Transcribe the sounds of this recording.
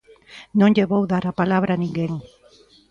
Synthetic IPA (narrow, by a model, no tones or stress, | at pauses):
nõŋʎeβowðaɾapalaβ̞ɾanĩŋɡeŋ